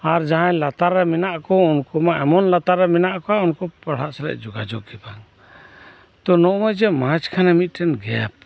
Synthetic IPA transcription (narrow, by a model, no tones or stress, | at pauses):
aɾd͡ʒaɦãjlat̪aɾːɛminaʔkɔunkɔmaʔɛmɔnlat̪aɾːɛmɛnaʔkɔaunkɔpaɽ̤aʔsalɛ̰ʔd͡ʒuɡad͡ʒɔɡkɛbaŋ | t̪ɔnɔʔɔjd͡ʒɛmad͡ʒkʰanɛmit̪̚ˀʈɛnɡɛp̚